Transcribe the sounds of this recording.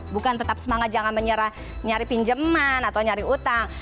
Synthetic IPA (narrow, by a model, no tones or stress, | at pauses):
bukant̪ət̪ap̚səmaŋat̪̚d͡ʒaŋanməɲəɾah | ɲaɾipind͡ʒəmanat̪awɲaɾiut̪aŋ